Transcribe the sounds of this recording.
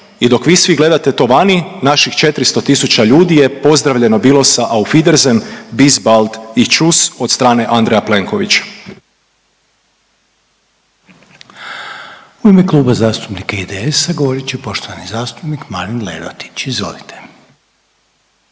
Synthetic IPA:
id̪o̞kʋiːsʋiɡle̞d̪at̪e̞t̪o̞ʋaninaʃixt͡ʃe̞t̪ɾist̪o̞t̪isut͡ɕaʎuːd̪ije̞po̞zd̪ɾaʋʎe̞no̞biːlo̞saʔaufid̪eɾzembizbald̪it͡ʃusot̪st̪ɾaːne̞ʔand̪ɾejaple̞ŋko̞ʋit͡ɕ | uimeklˠuːbazaːst̪upnikaid̪eesaɡoʋoɾit͡ʃipo̞ʃt̪oʋanizaːst̪upnikmaɾinlḛd̪o̰t̪i̥t͡ɕizʋo̰lit̪ʰe̥

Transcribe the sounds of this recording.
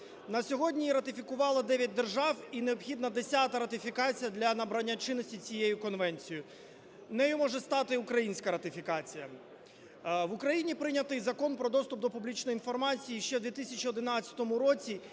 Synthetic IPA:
nɐsʲɔɦɔdʲnʲiiɾɐt̪ɪfʲikʊʋɑlˠɐd̪ɛʋʲjɐt̚ʲd̪erʒɑwineɔbxʲid̪nɐd̪esʲat̪ɐɾɐt̪ɪfʲikɑt͡sʲijɐd̪lʲɐnɐbɾɐnʲːat͡ʃɪnːɔsʲtʲit͡sʲijejʊkɔnʋɛnʲt͡sʲijʊ | nɛjʊmɔʒɛst̪ɑt̪ɪʊkɾɐjinʲsʲkɐɾɐt̪ɪfʲikɑt͡sʲijɐ | ʋʊkɾɐjinʲipɾɪnʲɐt̪ɪjzɐkɔnpɾɔd̪ɔst̪ʊp̚d̪ɔpublʲit͡ʃnɔjinfɔrmɑt͡sʲijiʃt͡ʃɛd̪ʋʲit̪isʲɐt͡ʃiɔd̪ɪnɑt͡st͡sʲːɐ̥t̪ɔmʊɾɔt͡sʲi

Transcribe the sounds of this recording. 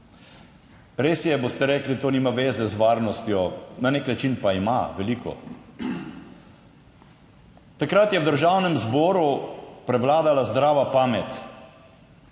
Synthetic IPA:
ɾeːsjɛbost̪ɛɾɛːklit̪oːniːmaʋeːzɛzʋaːɾnɔst̪jɔnaneknat͡ʃinpaimaʋɛlikʰɔ̰ | t̪akɾat̪jɛwd̪əɾʒawnɛmzbɔːɾupɾɛʋlaːd̪alazd̪ɾaːʋapaːmɛt̪

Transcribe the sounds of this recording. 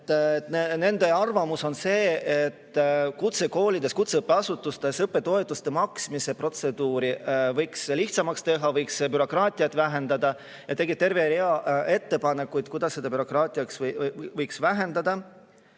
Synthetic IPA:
t̪nene̞nd̪e̞ɑrvɑmuso̞nse̞ːet̪ːkut̪se̞ko̞ːlid̪̥e̞skut̪seɯpːeɑsut̪ːˑust̪e̞sɯpːe̞t̪o̞et̪ːˑust̪emɑksmise̞pro̞t̪se̞d̪uːɾivɤjksliht̪sɑmɑkst̪e̞ɦɑvɤjkspbyɾo̞krɑːt̪ʲˑiɑt̪ːˑvæɦe̞nd̪̥ɑd̪ɑ | jɑt̪e̞ɡit̪e̞rveɾiɑe̞t̪ːe̞pɑne̞kːˑujd̪̥kujd̪̥ɑsːed̪ɑbyɾo̞krɑːt̪ʲˑiɑksvɤjksvæɦe̞nd̪ɑd̪̥ɑ

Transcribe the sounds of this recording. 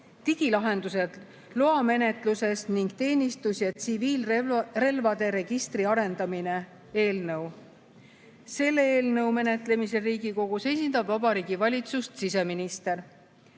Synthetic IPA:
t̪iɡ̥ilɑɦe̞nd̪use̞d̪̥ | loɑme̞ne̞t̪ˑluse̞sniŋɡ̥̚t̪e̞ːnʲist̪usjɑt̪siviːlre̞lvɑd̪e̞ɾe̞ɡ̥ist̪riɑɾe̞nd̪̥ɑmine̞ | e̞ːlnɤw | se̞lːeeːlnɤwme̞ne̞t̪ˑle̞mise̞riːɡiko̞ɡ̥use̞jsind̪̥ɑbvɑbɑɾiːɡ̥ivɑlʲit̪sust̪sise̞minist̪e̞ɾ

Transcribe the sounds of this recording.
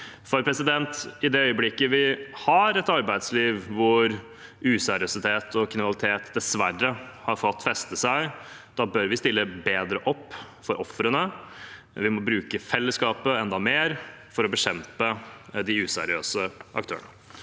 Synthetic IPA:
fɔɾpʰɾɛsɪd̪ɛnt̪ɪd̪ɛœʏəblɪkːəʋɪhɑɾɛt̪ɑɾbæɪd̪sliːʋʋʊɾ | ʉːsæɾɪøsɪt̪ʰeːt̪ʰɔkʰɪnɑlɪt̪ʰeːt̪d̪ɛsʋærːə | hɑɾfɔt̪ːfɛst̪əsæɪd̪ɑːbœɾʋɪst̪ɪlːəbeːd̪ɾəʔɔpː | fɔɾʔɔfɾənə | ʋɪmɔbɾʉːkəfɛlːəskɑːpəɛnd̪ɑmeːɾfɔɾɔbəɕɛmpəd̪ɪʉːsæ̰ɾɪø̰ːsəʔɑ̰k̚t̪ʰø̰ːnə

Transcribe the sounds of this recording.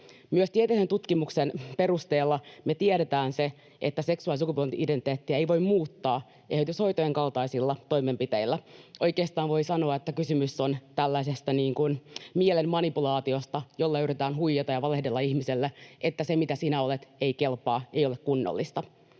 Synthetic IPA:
myøst̪iet̪esent̪ut̪kimuksenpe̞rust̪eːlːɑmet̪ieɾet̪æːnse̞ | ʔḛt̪ːæse̞ksuɑlisukupolt̪iʔidenit̪eːt̪ːiæejʋo̞immuːt̪ːɑː | ʔehyt̪ysho̞it̪ojeŋkɑlt̪ɑisilːɑt̪o̞ime̞mpit̪eilːæʔo̞jkeːst̪ɑːnʋo̞isɑno̞ɑet̪ːækysymysːont̪ælːæisest̪æniːŋkunmielemmɑnipulɑːt̪io̞st̪ɑjo̞lːɑyyrit̪æːnɦuijːet̪ɑjɑʋɑlehde̞lːɑihmiselːeʔet̪ːæsemit̪æsinæo̞let̪eike̞lpɑːejo̞lekkunːo̰lːist̪ɑ

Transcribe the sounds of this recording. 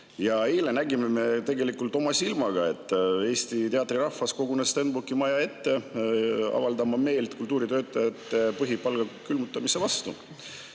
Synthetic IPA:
jɑeːlenæɡimeme̞t̪e̞ɡe̞likːˑult̪ˑo̞mɑsilmɑɡ̥ɑe̞t̪ˑːe̞ːst̪it̪e̞ɑt̪riɾɑhːɑsko̞ɡunest̪enbukimɑjɑe̞t̪ːe̞ | ɑ̰vɑld̪ɑmɑme̞ːlt̪kult̪ːˑuːɾit̪øːt̪ːˑɑjɑt̪ːˑe̞pɤɦipɑlɡ̥ɑkylmut̪ːˑɑmisevɑst̪u

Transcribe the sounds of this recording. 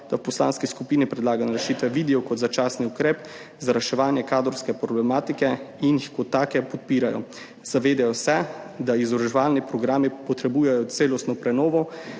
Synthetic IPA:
d̪̥awpɔsla̰ːnskiskupinipɾɛd̪laːɡanaɾɛʃiːt̪ʋɛʋiːd̪ɛɔkɔt̪zat͡ʃaːsniukɾeːp | zaɾɛʃɛʋaːnjɛkaːd̪ɔɾskɛpɾɔblɛmaːt̪ikɛinixkɔt̪ːaːkɛpɔt̪̚piːɾajɔ̰ | z̥aʋeːd̪ɛjɔsɛd̪aizɔɾɔʒɛʋaːlnipɾɔɡɾaːmipɔt̪ɾɛbujɛjɔt̪seːlɔst̪nɔpɾɛnɔːʋɔ

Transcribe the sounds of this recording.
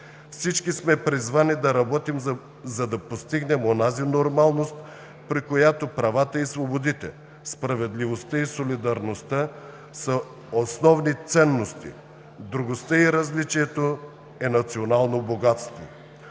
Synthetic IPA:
fsit͡ʃkismɛpɾizvanid̪ɐɾɐbɔt̪im | zɐd̪ɐpost̪iɡnɛmonazinoɾmalˠnost̪ | pɾikojat̪opɾɐvat̪əisvobod̪it̪ɛ̰ | spɾɐvɛd̪livost̪əisolid̪ɐɾnost̪a | sɐ | osnɔvnit̪sɛnːost̪ḭ | d̪ɾuɡost̪əiɾɐzlit͡ʃiɛt̪o | ɛnɐt̪sionalˠnoboɡat̪st̪vo

